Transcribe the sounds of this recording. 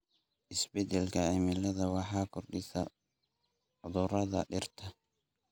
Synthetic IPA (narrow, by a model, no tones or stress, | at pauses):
ʔɪsbɛd̪ɛlkʰɐɛmɪlɐðɐwɑħɑːkʰɔrɗɪsɐ | ʊðʊɾɐðɐ̰ɗɪrt̪ʰɐ